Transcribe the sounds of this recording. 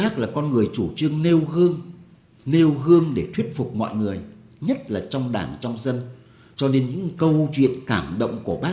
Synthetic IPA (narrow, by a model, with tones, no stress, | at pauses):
aː˦˥k̚laː˨˩kɔ˧nŋɨ˨˩əjt͡ɕu˧˩t͡ɕɨ˧əŋne˧wɣɨ˧əŋ | ne˧wɣɨ˧əŋɗe˧˩t̪ʰwi˦˥ət̚fʊ˨˩k͡p̚mɔ̰˧˨jŋɨ˨˩əj | ɲə˦˥t̚laː˨˩t͡ɕɔ˧wŋ͡mɗa̰ː˧˨˩ŋt͡ɕɔ˧wŋ͡mzə˧n | t͡ɕɔ˧ne˧nɲɨ̰˧˥ŋkə˧wt͡ɕwḭ˧˨ənkaː˧˩mɗə̰˧˨wŋ͡mku˧˩əɓaː˦˥